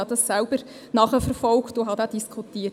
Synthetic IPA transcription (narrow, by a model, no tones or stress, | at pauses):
ɑdɑsːælb̥əɾ | nɑχəfəɾfɔlktoɦɑd̪æːd̥iskʰutiːə